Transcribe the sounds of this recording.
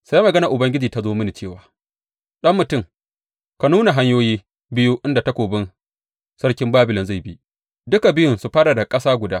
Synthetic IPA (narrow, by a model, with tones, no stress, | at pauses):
sa˦mɐ˨ɡɐ˦na˨ʔʊ˨bɐ˦ŋɡʲɪ˦d͡ʒiː˨ta˨˦zoː˦mɪ˦ni˨t͡ʃeː˦˨waː˨ | ɗɐ˦mːʊ˨tʊ˦˨m | ka˨nuː˦na˨ɦa˦ɲjoː˦jiː˦ | bɪ˦ju˦ʔɪ˦nda˨ta˦kʷoː˨bɪ˦n | sɐ˦ɽkʲɪ˦mbaː˦bɪ˨lɪ˨nza˦˨bi˦ʔ | dʊ˦ka˨bɪ˦jʊ˨nsu˨ɸaː˦ɽa˨da˨kʼɐ˦saː˦ɡʷʊ˨daː˦